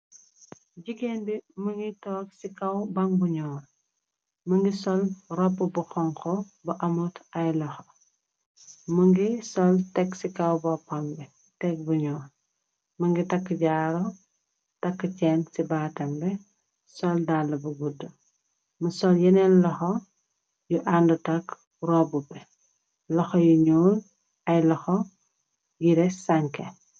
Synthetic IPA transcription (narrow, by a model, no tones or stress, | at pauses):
ɟiɡeːnbimɐŋɡitɔːksikɐwbɐŋbuɲɔːɾ | məŋɡisɔlrɔpːəbuxɔŋkɔ | bɐʔɐmutɐjlɔxɔ | məŋɡisɔltɛksikɐwbɔpɐŋbɛ | tɛk̚buɲɔː | mɐŋɡitɐkːəɟaːɾɔ | tɐkːət͡ʃɛnsibaːtɐmbɛ | sɔldalːɐbɐɡudːɐ | musɔljɛnɛnlɔxɔ | juʔandutɐk | rɔbupɛ | lɔxɔjuɲuːl | ɐjlɔxɔ | jiɾɛsɐŋkɛ